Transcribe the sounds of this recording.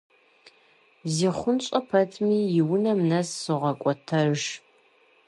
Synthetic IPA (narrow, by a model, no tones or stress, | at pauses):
ziːχʷʊnɕʼɐpʰɐtʰmiːjɪwnɐmnɐsːɨʁɐkʷʼɔtʰɐrʒ